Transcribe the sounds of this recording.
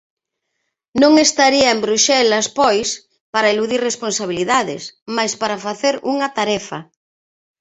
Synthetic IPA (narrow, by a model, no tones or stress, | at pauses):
nõŋest̪aɾiɐembɾuʃɛlaspɔjs | paɾaeluðiɾresponsaβ̞iliðaðɪ̰smajspaɾafaθeɾuŋɐt̪aɾɛfɐ